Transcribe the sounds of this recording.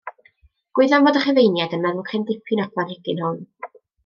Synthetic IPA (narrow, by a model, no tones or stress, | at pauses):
ɡ̥wɪɨðanvoːdəχəvejnjadənmɛɾʊχʰɛndɪpʰɨnɔkʰlˠanhɛɡɪnhʊn